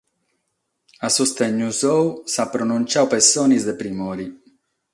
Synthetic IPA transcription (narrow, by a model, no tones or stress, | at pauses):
asust̪ɛɲːuzɔusapːɾɔnunt͡ʃawpesːɔːnizd̪epɾimɔːɾi